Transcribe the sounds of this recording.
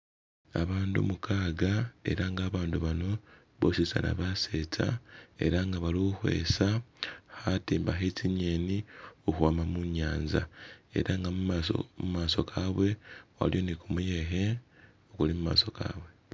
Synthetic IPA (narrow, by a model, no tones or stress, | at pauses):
a̰βaːndṵmukʰaːɡae̞̰ɾaŋɡaːβaːnduβano̞ | βo̞sisa̰na̰βase̞ːt͡sa̰e̞̰ɾaŋɡaβaliuxwe̞̰ːsahatiːmbaxeciɲe̞ːniohuaːmamuɲaːɲzae̞̰ɾaŋɡamumaso̰mumaːso̞kʰaβwe̞wa̰ljo̞nikumuje̞ɦe̞ | okulimuma̰ːso̞ka̰ːβwe̞